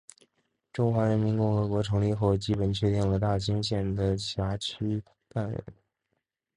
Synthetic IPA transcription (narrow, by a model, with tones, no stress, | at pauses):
ʈ͡ʂʊ˥ŋxwa˧˥ɻə˧˥nmi˧˥nkʊ˥˩ŋxɤ˧˥kwɔ˧˥ʈ͡ʂʰɤ˧˥ŋli˥˧xo˥˩ʊt͡ɕi˥pə˨˩nt͡ɕʰɥɛ˥˧t̪i˥˩ŋlə˩t̪a˥˩t͡ɕi˥ŋɕjɛ˥˩nd̪ə˩ɕʰja˧˥t͡ɕʰy˥ | t̪a˥˩nɻə̰˧˥˦n